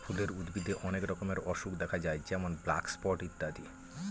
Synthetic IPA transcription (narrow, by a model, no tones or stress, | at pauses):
fʰuleɾud̪bid̪ʱeʔɔnekɾɔkomeɾɔʃukd̪ɛkʰad͡ʑajd͡ʑɛmonblakspɔɾʈit̪ːad̪ʱi